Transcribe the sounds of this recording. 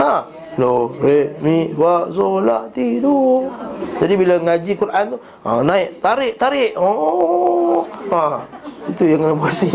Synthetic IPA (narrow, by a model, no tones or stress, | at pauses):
a | loɾeʔmiʔwaʔsola̰ʔt̪idu | d͡ʒadibilaŋad͡ʒikuɾʔant̪u | anaɪʔt̪aɾɪʔt̪aɾɪʔo | ait̪ujaŋənabasi